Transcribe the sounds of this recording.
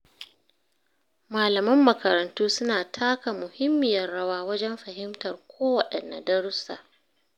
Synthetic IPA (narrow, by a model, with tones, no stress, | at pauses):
maː˨lɐ˨mɐ˦mːɐ˨kɐ˨ɾɐ˨ntuː˦sʊ˦naː˨tʰaː˦ka˨mʊ˨hɪ˦mːɪ˨jɐ˨rɽɐ˦waː˦wɐ˦d͡ʒɛ˦mɸɐ˨ɦɪ˦mtɐ˨rkʷʰoː˦wɐ˨ɗɛ˨nːa̰˨dɐ˦ɽʊ˦sa̰ː˨ʔ